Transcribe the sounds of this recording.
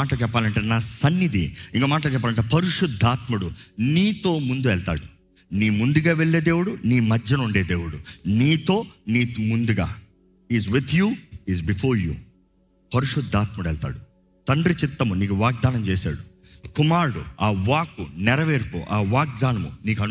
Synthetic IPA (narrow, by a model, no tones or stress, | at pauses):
aːʈɐt͡ʃɛpːaːlɐɳʈeːnaːsɐnːid̪ḭiŋkoːmaːʈ̬ɐlt͡ʃɛpːaːlɐɳʈ̬eːpɐɾuʂud̪ʱːaːt̪muɽuniːt̪o̞ːmund̪uɛlt̪a̰ːɽu | niːmund̪uɡaːʋeɭːeːd̪e̞ːwuɽuniːmɐd͡ʒjɐnuɳɖeːd̪eːwuɽuniːt̪o̞ːniːmund̪uɡa̰ː | ɦiːzʋit̪ʰjuɦizbifʰoːɾjṵː | pɐɾuʂud̪ʱːaːt̪muɽuɛɭt̪a̰ːɽu | t̪ɐɳɖɾit͡ʃit̪ːɐmuniːkuʋaːɡ̚d̪aːnɐmt͡ʃeːsa̰ːɽu | kumaːɾɽṵaːʋaːkunɛɾɐʋeːɾkṵʔaːʋaːk̚d̪aːnɐmṵniːkɐn